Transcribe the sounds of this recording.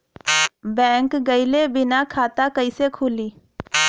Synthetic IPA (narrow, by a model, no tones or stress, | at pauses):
bɛ̃ːŋkɡəɪlebɪnakʰaːt̪akəisekʰʊːliː